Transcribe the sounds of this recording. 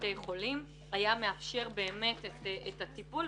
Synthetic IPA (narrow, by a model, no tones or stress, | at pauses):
te̞jχo̞lim | ajameafʃe̞ʁbe̞ːme̞tetetatipul